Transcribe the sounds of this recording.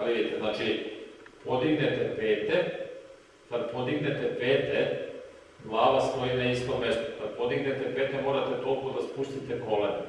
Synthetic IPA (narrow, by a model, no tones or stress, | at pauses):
aʋid̪it̪eznaːt͡ʃipo̞d̪iɡne̞t̪epeːt̪e | kad̪apo̞d̪iɡne̞t̪epeːt̪e | ɡlˠaːʋast̪oineist̪ome̞st̪o̥kad̪po̞d̪iɡne̞t̪epeːt̪emo̞ːɾat̪et̪olˠkod̪aspust̪it̪eko̞lḛn